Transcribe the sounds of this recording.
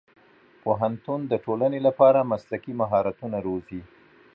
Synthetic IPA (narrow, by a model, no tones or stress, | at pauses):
poɦant̪und̪əʈolanelapɑɾamaslakimaɦɑɾat̪unaɾozi